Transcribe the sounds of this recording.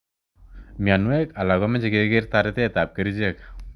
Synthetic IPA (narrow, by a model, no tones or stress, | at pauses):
mianuekalaɡɔmed͡ʒeɡeɡeɾt̪aɾet̪et̪ap̚kəɾid͡ʒek̚